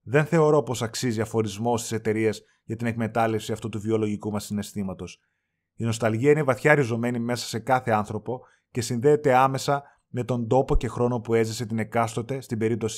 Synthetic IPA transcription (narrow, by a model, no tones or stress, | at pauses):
ðe̞nθe̞o̞ɾo̞po̞sɐksiziɐfo̞ɾizmo̞st̪i̥se̞t̪e̞ɾiez | ʝɐt̪ine̞kme̞t̪ɐle̞fsiɐft̪ut̪uvio̞lo̞ʝikumɐsːine̞st̪imɐt̪o̞s | ino̞st̪ɐlʝiɐinevɐθçɐːɾizo̞me̞nime̞sɐ̥se̞kɐθe̞ɐnθɾo̞po̞ | ce̞sinðe̞ːt̪e̞ɐme̞sɐ | me̞t̪o̞nd̪o̞po̞ce̞xɾo̞no̞pue̞zise̞t̪ine̞kɐst̪o̞t̪e̞st̪imbe̞ɾip̚t̪o̞si̥